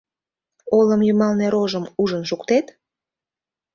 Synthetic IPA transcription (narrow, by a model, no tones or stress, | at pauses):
oləmjymɑlneɾoʒəmuʒənʃukt̪et̪